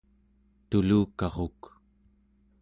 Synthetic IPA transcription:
t̪uluːkɑʁok

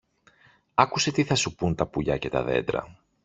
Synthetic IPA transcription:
ɐkuse̞t̪iθɐsupunt̪ɐpuʎɐce̞t̪ɐ̰ðe̞̰d̪ɾɐ̰

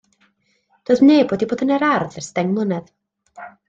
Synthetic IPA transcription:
d̥oːðmneːboːdiboːdənɛɾarðɛrstɛŋmlˠənɛð

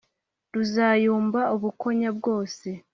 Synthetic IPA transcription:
ɾuzaːjuːmbauβuko̞ɲabɡo̞ːse̞

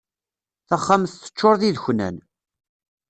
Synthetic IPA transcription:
θæχːamθθə̥t͡ʃːoɾˤðiðçnæ̰n

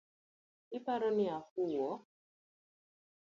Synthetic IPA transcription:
ɪpaɾɔnɪahuwɔ

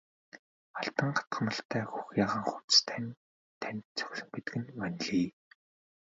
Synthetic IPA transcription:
aɬt̪ə̆ŋɢḁt̪̚ɢə̆nə̆ɬt̪ʰæːxuxjaːʁə̆ŋχut͡st̪ʰænʲ | t̪ʰænʲt̪̚t͡sʰœ̥xʲɮɵ̆mpet̪ɘ̆ɡɘ̆nmænʲɮiː

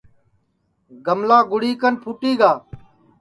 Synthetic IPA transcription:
ɡəmlaːɡʊɽiːkənpʰuːʈiːɡaː

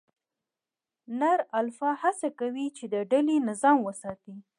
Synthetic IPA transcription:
naɾalfɑhasakawit͡ʃed̪əɖalinɪzɑmwəsɑt̪i

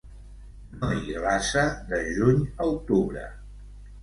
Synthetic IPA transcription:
maiɣlasəðəʒuɲəut̪uβɾə̰

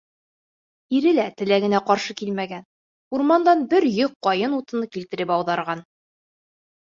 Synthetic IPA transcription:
iɾɘlæt̪ɘ̆læɡɘ̆næqɒɾʃɤkilmæɡæn | uɾmɑnd̪ɑnbɘɾjoq̚ːɒjɤnut̪ɤ̆nɤkilt̪ɘ̆ɾɘpɒwðɑɾʁɑn

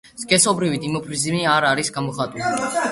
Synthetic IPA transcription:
skʼɛsɔbɾivid̪imɔpʰɾizimiaɾaɾisɡamɔχat̪ʼuli

